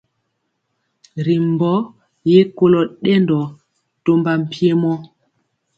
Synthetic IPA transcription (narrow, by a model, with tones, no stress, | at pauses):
ɾi˨m˨bɔ˦ | je˦ko˦lɔ˨ɗɛ˦ndɔ˨ | to˦mba˨m̩˨pi˦e˦mɔ˦